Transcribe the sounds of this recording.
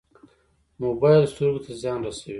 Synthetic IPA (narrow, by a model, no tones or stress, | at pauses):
mobɑjlst̪oɾɡot̪ʰazjɑnɾasawi